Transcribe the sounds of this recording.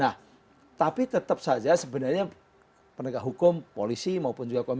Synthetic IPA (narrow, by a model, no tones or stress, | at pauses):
nah | t̪apit̪ət̪əp̚sad͡ʒasəbə̤narɲa | pənəkaɦukʊmpolisimaupʊnd͡ʒuɡakom